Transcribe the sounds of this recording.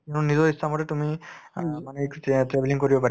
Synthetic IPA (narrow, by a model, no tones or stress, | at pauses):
ennizɔɹistʰamɔtɛtumi | manɛtɹebʱeliŋkoɹibɔpa